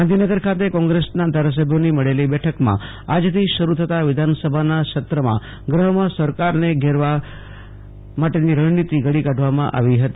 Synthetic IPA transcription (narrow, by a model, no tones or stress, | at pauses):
and̪ʱinəɡəɾkʰat̪ekɔ̃ŋɡɾesnad̪ʱaɾas̬əbʱjoniməɭelibɛʈʰəkmã̰ | ad͡ʒt̪ʰiʃəɾut̪ʰət̪aʋɪd̪ʱansəbʱanaʃət̪ɾəmã̰ | ɡɾəɦmãsəɾkaɾneɡʱeɾʋa | maʈeniɾəɽnit̪iɡəɽikaɖʱʋamã̰ʔa̰ʋiɦət̪i